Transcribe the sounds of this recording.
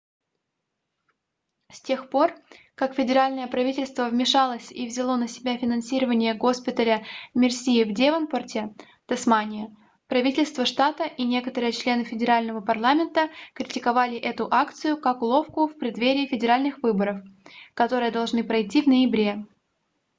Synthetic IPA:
sʲtʲe̞xpo̞r | kakfʲɪdʲɪɾalʲnəjəpɾɐvʲitʲɪlʲst̪vəvmʲɪʂalˠəsʲivzʲɪlˠo̞nəsʲɪbʲafʲɪnɐnsʲiɾəvənʲɪjəɡo̞spʲɪt̪əlʲəmʲɪrsʲijɪvdʲevənpərtʲɪ | t̪ɐsmanʲɪjə | pɾɐvʲitʲɪlʲst̪vəʂt̪at̪əʔinʲe̞kət̪əɾɨjət͡ɕlʲe̞nɨfʲɪdʲɪɾalʲnəvəpɐrlˠamʲɪnt̪əkɾʲɪtʲɪkɐvalʲɪʔɛt̪ʊʔakt̪sɨjʊkaklˠo̞fkʊfpɾʲɪd̪vʲeɾʲɪːfʲɪdʲɪɾalʲnɨxvɨbəɾəfkɐt̪o̞ɾɨjəd̪ɐlˠʐnɨpɾɐjtʲːivnəjɪbɾʲe̞

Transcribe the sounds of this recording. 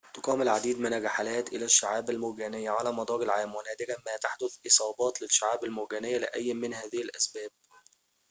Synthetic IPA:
t̪ʊqɑːmʊlʕad̪iːd̪mɪnæɾaħalæːt̪ʔɪlæʃːaʕaːbælmʊɡæːnɪjːæʕalæːmɑd̪ˤɑːɾɪlʕaːmwælæːd̪ɪɡæmæːt̪aħd̪ʊθʔɨsˤɑːbɑːt̪lɪʃːaʕaːbælmʊɡæːnɪjːælɪʔæjːmɪnhæːðɪhɪlʔæsbæːb̚

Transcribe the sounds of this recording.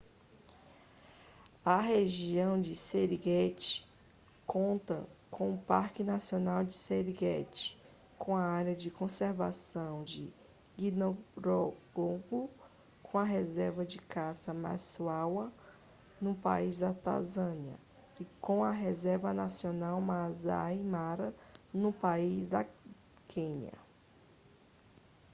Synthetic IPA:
ɐɦeʒiɐ̃w̃d͡ʒɪseɾiɡɛt͡ʃɪ̥ | kõnt̪ɐkʰõw̃ʊpaɾkɪnasionawd͡ʒɪseɾiɡɛt͡ʃɪ̥ | kõɐaɾjɐd͡ʒɪkõseɾva̰sɐ̃w̃d͡ʒɪ | ɡĩnoɾoɡoɡʊ | kʰõw̃ɐɦezɛɾvɐd͡ʒɪkasɐma̰suawɐ | nʊpa̰izd̪ɐt̪a̰zɐ̃niɐ̰ | ikõw̃ɐɦezɛɾvɐnasionawmaza̰jmaɾɐnʊpaizd̪ɐ | kʰẽɲɐ̰

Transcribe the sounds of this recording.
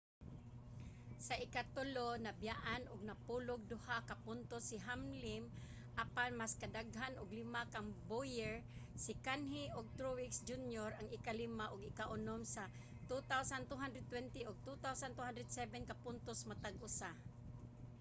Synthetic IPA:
saʔɪkat̪ʊlonabjaʔanʊɡ̚napulʊɡ̚d̪ʊhakapʊnt̪osiɦamlɪm | ʔapanmaskad̪aɡɦanʊɡlimakaŋbojɛɹsɪkanɦiʊɡ̚t̪ɾuwɪksd͡ʒunjoɾaŋɪkalimaʔʊɡɪkaʔʊnomsa | t̪ut̪awsant̪uɦand̪ɾɛd̪̚t̪wɛnt̪iʊɡ̚t̪ut̪awsant̪uɦand̪ɾɛd̪sɛbɛnkapʊnt̪osmat̪aɡʊsa

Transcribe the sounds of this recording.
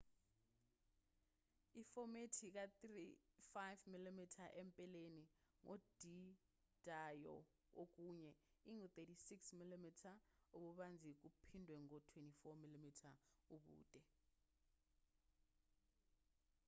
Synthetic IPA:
ifɔmetʰik̬atrifajvmilimitʰaʔɛmpʼɛleniŋʔɔd̥ʱi | d̥ʱajɔ̰ | ok̬uːɲɛiŋut̪etisiksmilimitʰaoɓuɓand͡zʱik̬upʰindʱwɛŋɔtʰwentʼifɔmilimitʰauɓṵːtʼɛ

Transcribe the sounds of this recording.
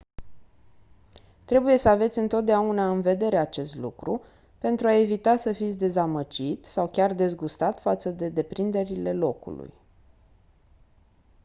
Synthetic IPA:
t̪ɾe̞buje̞səave̞t̪sʲɨnt̪o̞t̪̚d̪eaunaɨnve̞d̪e̞ɾe̞at͡ʃe̞st̪lukɾu | pe̞nt̪ɾuae̞vit̪asəfit̪sʲd̪e̞zaməd͡ʒit̪sawkʲard̪e̞zɡust̪at̪fat̪səd̪e̞d̪e̞pɾind̪e̞ɾile̞lo̞kṵlṵj

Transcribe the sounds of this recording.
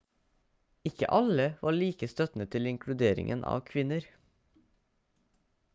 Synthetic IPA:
ɪkə̰ʔɑləʋʔɑːɭiːkəst̪œt̪n̩ət̪ʰɪlɪŋkʰɽʉd̪eːɾɪ̰ŋʔənʔɑ̰ːʋkʰʋɪnəɾ

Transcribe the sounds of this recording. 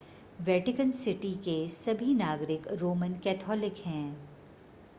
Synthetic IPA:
ʋɛːʈɪkənsɪʈikesɐbʱinaːɡɾɪkɾoːmənkɛːt̪ʰɔːlɪkɦɛ̃ː

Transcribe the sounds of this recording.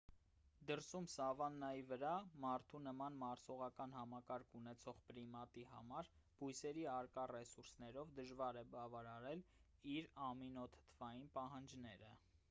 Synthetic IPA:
d̪əɾsumsɑvɑnːɑjivəɾɑmɑɾt̪ʰunəmɑnmɑɾsɔʁɑkɑnhɑmɑkɑɾkʰunɛt͡sʰɔʁpɾimɑt̪ihɑ̰mɑɾ | b̥ujsɛɾiɑɾkɑrɛsuɾsnɛɾɔvd̪əʒvɑɾɛbɑvɑɾɑɾɛl | iɾɑminɔt̪ʰə̥t̪ʰvɑjinpɑɦɑnd͡ʒnɛɾə

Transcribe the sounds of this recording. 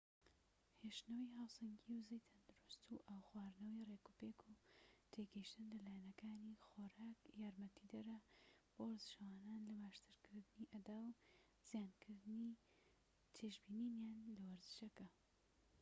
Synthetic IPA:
heʃnɐwijɦaːwsɐŋɡiwzejt̪ʰɐnd̪uɾust̪uʔaːwxwaːɾnɐwirekupekʰut̪ʰeɡɐiʃt̪ɨnlɐlaːjanɐkaːnixoːɾaːkjaːɾmɐt̪ʰid̪ɐɾɐb̥owɐɾzɨʃɐwaːnaːnlɐbaːʃt̪ɨɾkʰɨɾd̪ɨniʔɐd̪aːw | z̥ijaːnkʰɨɾd̪ɨni | t̪ʰeʒbiːninjaːnlɐwɐɾzɨʃɐkɐ

